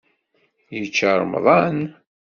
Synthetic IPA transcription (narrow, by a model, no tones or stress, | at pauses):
jət͡ʃːəɾˤmðˤɑn